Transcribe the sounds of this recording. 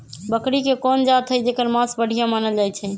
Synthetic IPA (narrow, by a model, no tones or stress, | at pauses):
bəkɾikekɔnd͡ʒat̪ʰɦəd͡ʒekəɾmãsbəɽ̤ʱijãmanəld͡ʒajt͡ʃʰɛ